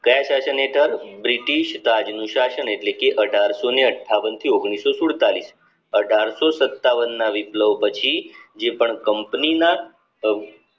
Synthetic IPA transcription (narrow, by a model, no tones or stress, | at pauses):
kəjaʃaʃəneʈʰəɾbɾiʈiʃt̪ad͡ʒnũʃaʃəneʈlekeʔəɖʱaɾsoneəʈʰːaʋənt̪ʰioɡɳ̃isosuɽt̪alis | əɖʱaɾsosət̪ːaʋənːaʋipləʋpət͡ʃʰid͡ʒepəɳkəmpnina